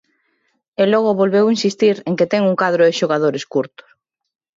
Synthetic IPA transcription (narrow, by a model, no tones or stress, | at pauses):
elɔɣ̞oβolβewinsist̪iɾeŋket̪ɛŋuŋkaðɾoɪʃoɣað̞oɾeskuɾt̪ʊ̥s